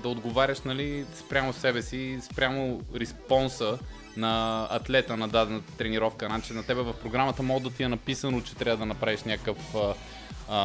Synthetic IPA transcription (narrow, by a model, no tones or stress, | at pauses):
d̪ɐod̪ɡovaɾʲəʃnɐlispɾʲamosɛbɛsispɾʲamoɾɛspɔnsə | nɐɐt̪lɛt̪ənɐd̪ad̪ɛnət̪t̪ɾɛniɾɔfkənat͡ʃɛnɐt̪ɛbɛvɐfpɾoɡɾamət̪əmɔɡd̪ɐt̪iɛnɐpisənot͡ʃɛ̥t̪ɾʲavəd̪ɐnɐpɾaviʃnʲakkəfə